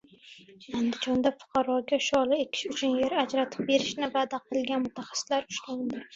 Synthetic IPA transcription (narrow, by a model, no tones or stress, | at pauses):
and̪ɪd͡ʒɒnd̪afʊ̥qʰɑɾɒɡʲaʃɒlˠɪe̞kʲʰɪ̥ʃʊt͡ʃʰʊnje̞ɾad͡ʒɾat̪ʰɪ̥p̚be̞ɾɪʃnɪvad̪aqʰɨlɡʲanmʊt̪ʰaχḁsɪ̥slaɾt͡ʃʰʊ̥ʃland̪ɪ